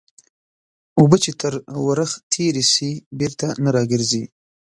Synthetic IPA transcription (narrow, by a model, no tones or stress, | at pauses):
ubət͡ʃet̪əɾwaɾəxt̪ʰeɾisibeɾt̪anaɾɑɡəɾzi